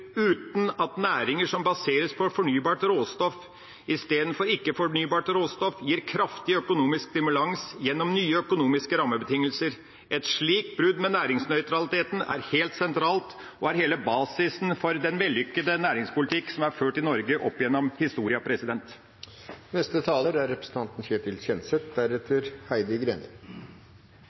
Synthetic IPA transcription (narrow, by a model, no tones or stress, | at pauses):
ʉːt̪nɑt̪næːɾɪŋəʂɔmbɑseːɾəspʰɔfɔɳyːbɑːʈɾoːst̪ɔf | ɪst̪eːd̪ən̩fɔɾɪkːəfɔɳyːbɑːʈɾoːst̪ɔfjiːɾkʰɾɑft̪ɪœkʊnuːmɪskst̪ɪmʉlɑŋsjɛnːɔmnyːəœkʊnuːmɪskəɾɑːmːəbət̪ʰɪŋːəlsəɾ | ʔɛt̪ʂɭiːk̚t̪̚bɾʉd̪mɛnæːɾɪŋsnœʏt̪ɾɑlɪt̪ʰeːt̪n̩æ̰ɾheːlt̪sɛnt̪ʰɾɑːlt̪ | ɔæɾheːləbɑːsɪsn̩fɔɾd̪ɛnʋɛlːʏkːəd̪ənæːɾɪŋspʊlɪt̪ʰɪkːsɔmæɾføːʈɪnɔɾɡəʔɔpːjɛnːɔmhɪst̪uːɾɪɑpʰɾɛsɪd̪ɛnt̪ | nɛst̪ət̪ʰɑːləɾæɾɛpɾə̥sn̩t̪ɑnt̪n̩çeːʈ̪ʰɪlsɛnsɛt̪̚d̪æɾɛt̪ʰəɾhæɪd̪əɡɾḛːnə